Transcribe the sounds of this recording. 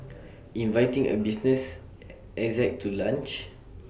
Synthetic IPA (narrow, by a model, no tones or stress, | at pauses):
ĩnvajtĩŋə̰bisnəs | ɛkzɛk̚tʰːulãnt͡ʃ